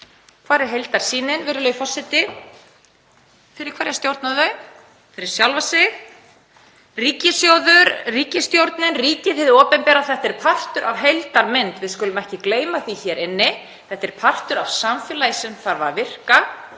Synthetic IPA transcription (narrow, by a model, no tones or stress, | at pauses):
kʰvaːɾɪɦejlt̪aɾ̥siːnɪnvɪɾʏlœjfɔr̥sːɛt̪ɪ | fɪɾɪɾkʰvaːɾjast̪jowɾt̪naðœɥ | fɪɾɪɾ̥sjawlvasɪ | riːcɪsjowðʏɾriːcɪst̪jowɾt̪nɪnriːcɪθɪðɔːpɛmpɛːɾaθɛht̪ɛɾ̥pʰar̥t̪ʏɾʔavɦejlt̪aɾmɪnt̪vɪðskʏlʏmɛhcɪkleːjmaθiçɛɾʔɪnːɪ | θɛht̪ɛɾ̥pʰar̥t̪ʏɾavsamfjɛːlajsɛmθaɾvaɾvɪr̥ka